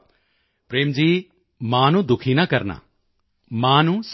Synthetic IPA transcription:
pɾeːmd͡ʒiː | mãːnũːd̪ʊkʰiːnaːkɐɾna̰ː | mãːnũːs

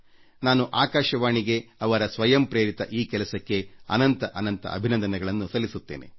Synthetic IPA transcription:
naːnuʔaːkaːʃɐʋaːɳiɡe̞ɐʋɐɾɐsʋɐjɐmpɾeːɾit̪ɐʔiːkɛlɐsɐkːe̞ɐ̰nɐnt̪ɐʔɐnɐnt̪ɐ̰ɐ̰bʱinɐnd̪ɐnɛɡɐɭɐnːusɐlːisut̪ːḛːnḛ

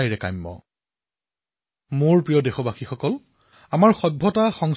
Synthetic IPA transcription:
ajɹɛkajmːɔ̰ | moɹpɹijɔdexɔbaxixɔkɔl | amaɹxɔbʱːɔtaxɔŋ

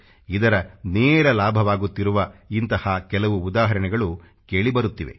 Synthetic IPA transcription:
id̪ɐɾɐneːɾɐlaːbʱɐʋaːɡut̪ːiɾuʋɐint̪ɐhɐkɛlɐʋuːd̪aːɦɐɾɐɳɛɡɐɭu | keːɭibɐɾut̪ːiʋḛ

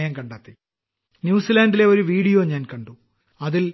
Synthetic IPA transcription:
jɐŋkɐɳɖaːt̪ːi | njuːsilaːɳɖile̞o̞ɾuʋiːɽijoːɲaːnkɐɳɖu | ɐðil

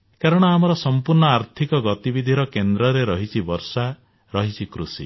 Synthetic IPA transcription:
kaɾɔɽ̃ɔamɔɾɔsɔmpuɾɳɔaɾt̪ʰikɔɡɔt̪ibid̪ʱiɾɔkend̪ɾɔɾeɾɔɦit͡ʃʰibɔɾsa | ɾɔɦit͡ʃʰikɾusḭ

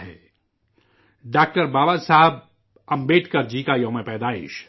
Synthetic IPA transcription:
ɦɛ̰ː | ɖaːk̚ʈəɾbaːbasaɦəb̚ | ɐ̃mbeːʈʰkɐɾd͡ʒiːkajõːmẽpɛːd̪aːɪ̰ʃ

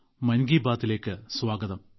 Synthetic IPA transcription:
mɐnɡiːbaːt̪ːile̞ːkːɨswaːɡɐðɐm

